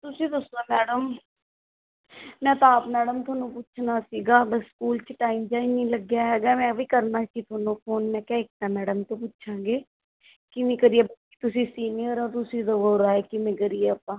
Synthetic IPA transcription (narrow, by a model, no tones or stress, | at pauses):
t̪ʊsĩːd̪əsoːmɛːɖəm | mɛ̃ːt̪aːpmɛːɖəmt̪ʰʊaːnũːpʊtːt͡ʃʰnaːsiːɡaːbəskuːlt͡ʃəʈaːimd͡ʒaːinĩːləɡjaːɦɛːɡaːmɛ̃ːbiːkəɾnaːsĩːt̪ʰaːnõːpʰoːnmɛ̃ːkɛ̃ːɪk̚t̪aːmɛːɖəmt̪õːp̬ʊtːʃʰãːɡeː | kɪʋẽːkəɾieːbai̥ːt̪ʊsĩːsiːnijəɾoːt̪ʊsĩːd̪əʋoːɾaːeːkɪʋẽːkəɾieːəpːãː